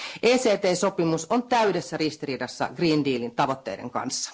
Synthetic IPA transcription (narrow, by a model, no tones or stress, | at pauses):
ʔeːseːt̪eːso̞pimuso̞nt̪æydesːæɾist̪iriːdɑsːɑ̰ɡriːndiːlint̪ɑʋo̞t̪ːe̞̰jde̞̰ŋkɑ̰nsːɑ̥